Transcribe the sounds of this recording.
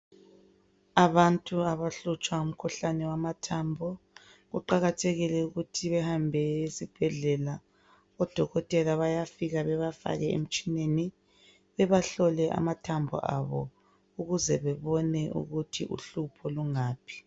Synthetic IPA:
aβantʼuaβaɬut͡ʃʼwaum̩kʰuɬanɛwamatʰaːmbʱɔ | ɣuǃaɣatʰeɣilɛuɣutʰiβɛhambʱɛisib̥ʱɛɮɛla | ɔd̥ʱɔɣɔtʼɛlaβajafiɣaβɛβafa̰ɣɛḛm̩t͡ʃʼineni | βɛβaɬɔlɛʔa̰matʰambʱɔ̰ʔa̰βɔ̰ | uɣuzɛβɛβɔnɛʔṵɣutʰiʔṵɬupʰɔluŋaːpʰi̥

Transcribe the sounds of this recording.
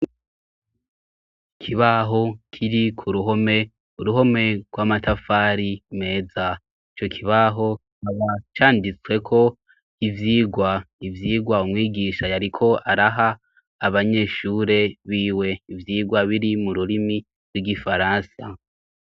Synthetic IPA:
kʰiβaɦo̞kʰiɾikʰuɾuɦo̞me̞ | uɾuɦo̞me̞ɡ̥wamatafaɾime̞ːza | it͡ʃo̞kʰiβaɦo̞ | aβat͡ʃaːndit͡swe̞kʰo̞ | ivjiːɡwaivjiːɡwaumŋiːɡiʃajaɾikʰo̞aɾaɦaː | βaɲe̞ʃuːɾe̞βiːwe̞ivjiːɡwaβiɾimuɾuɾimi | ɾɡwiɡifaɾaːnsa

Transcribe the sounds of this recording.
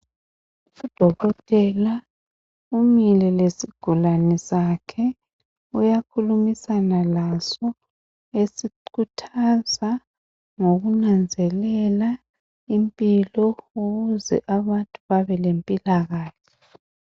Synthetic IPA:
ud̥ʱɔɣɔtʼɛla | umilɛlesiɡ̥ʱulanɛsakʰɛ | ujakʰulumisanalasɔ | esiǃʰutʰaza | ŋoɣunand͡zʱɛlɛla | impʼilɔoɣuzɛ̰ʔaβantʼuβaβɛlempʼilaɣaːɬʰɛ̥

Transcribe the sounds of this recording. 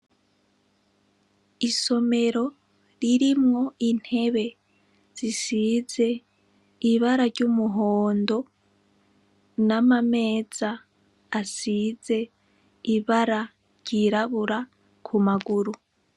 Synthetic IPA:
iso̞me̞ɾo̞ | ɾiɾimŋo̞in̥he̞βe̞ | z̥isize̞ | iβaɾaɾɟumuɦoːndo̞ | namame̞ːz̥aː | size̞ | iβaɾa | ɾɟiɾaβuɾa | kʰumaɡuɾu

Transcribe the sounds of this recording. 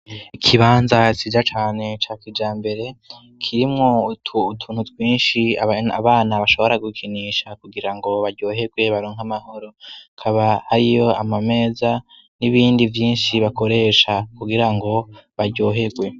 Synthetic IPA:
ikʰiβaːnzat͡ʃid͡ʒat͡ʃaːne̞t͡ʃaːkid͡ʒaːmbe̞ɾe̞ | kʰiɾimŋo̞utʰuːnhutwiːnʃianaβaːnaβaʃo̞βo̞ɾaɡukʰiniʃakuɡiɾaŋɡo̞βaɾɟo̞ːɦe̞ɡwe̞βaɾoːŋhamaho̞ɾo̞kʰaβahaɾijo̞amame̞ːza | niβiːndivjiːnʃiβako̞ɾe̞ʃakuɡiɾaŋɡo̞βaɾɟo̞ːɦe̞ɡwe̞

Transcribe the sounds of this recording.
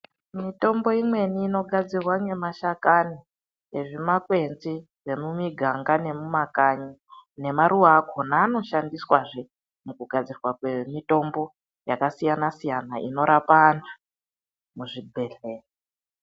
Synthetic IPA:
mito̞mbo̞imwe̞niːno̞ɡʱad͡zirwaŋe̞maʃakani | eʐimakwe̞nd͡zi | re̞mumiɡʱaŋɡane̞mumakaɲine̞maɾuwaːkonaːno̞ʃandiswaʐe | mukuɡʱad͡zirwakwe̞mito̞mbo̞ | jakasijanasijanaʔḭno̞ɾapana | muʐibʱe̞ɮe̞ːre

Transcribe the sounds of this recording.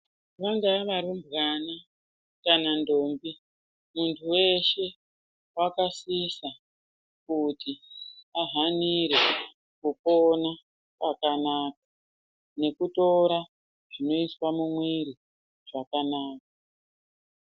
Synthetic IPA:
ʋaŋɡaʋaɾimbɣana | kanandoːmbi | muntʰuwe̞ʃe̞ | wakasisa | kutiaɦaniɾe | kupona | kakanaːk̚a | ne̞kuto̞ɾa | ʐ̥ino̞iswamumwiɾi | ʐ̥akanaːk̚a

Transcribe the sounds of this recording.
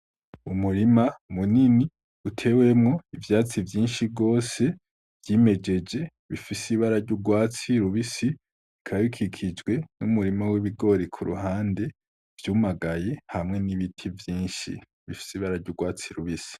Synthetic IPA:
umuɾimamunini | utʰe̞we̞mŋo̞ivjaːt͡sivjiːnʃibɡo̞ːse̞ | vjime̞d͡ʒe̞d͡ʒe̞ | βifisiβaɾaɾɟuɾɡwaːt͡siɾuβisi | kʰajukʰikʰid͡ʒɡwe̞numuɾimawiβiɡo̞ɾikʰuɾṵɦaːnde̞ | v̥juːmaɡaje̞hamŋe̞niβitʰivjiːnʃḭ | βifi̥siβaɾaɾɟuɡwaːt͡siɾuβisi̥

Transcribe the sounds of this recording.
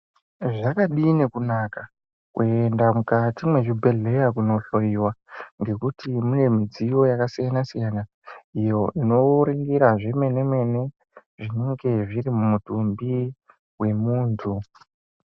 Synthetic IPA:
ʐakaɗine̞kunaka | kuendamukatimwe̞ʐibʱe̞ɮe̞jakuno̞ɬo̞jiwaŋɡe̞kutimune̞mid͡zijo̞jakasijanasijana | ijo̞ʔino̞ɾiŋɡiɾaʐemwe̞ne̞mwe̞ne̞ | ʐine̞ŋɡe̞ʐirimumutumbi | we̞muːntʰu

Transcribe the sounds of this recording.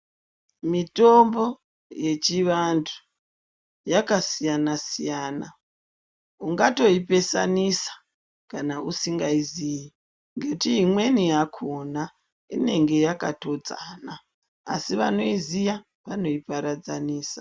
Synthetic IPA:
mito̞mbo̞ | je̞t͡ʃiʋantʰu̥ | jakasijanasijaːna | uŋɡato̞ipe̞sa̰nisḁ | kanausiŋɡaiziji | ŋɡetiimwe̞nijakʰona | ḭne̞ŋɡe̞jakato̞d͡zaːna̰ː | siʋano̞izija | ʋano̞ipaɾad͡zaniːsḁ

